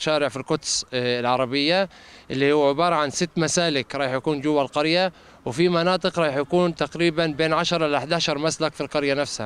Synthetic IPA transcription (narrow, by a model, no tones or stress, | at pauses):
ʃaːɾɪʕfilqʊt̪sɪlʕɑɾˤɑbɪjːa | ʔɪlːihuːʕɪbɑːɾˤɑʕansɪt̪ːmasaːlɪkɾˤɑːħjakuːnd͡ʒʊwːalqɑɾja | wfimanɑːt̪ˤɨqɾˤɑːħjakuːnt̪aqɾiːbanbeːnʕaʃɑɾˤʔɪlaħd̪aːʃɑɾˤmaslakfilqɑɾjanafsha̰